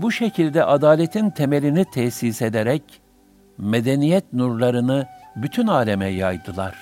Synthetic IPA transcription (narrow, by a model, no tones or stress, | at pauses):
buʃecʰilʲd̪ɛʔad̪aːlʲet̪ʰint̪ʰemelʲinit̪ʰɛçsise̞d̪eɾɛc | med̪enijɛt̪nuɾlˠaɾɯnɯbyt̪ʰynaːlʲemɛjajd̪ɯlˠaɾ̥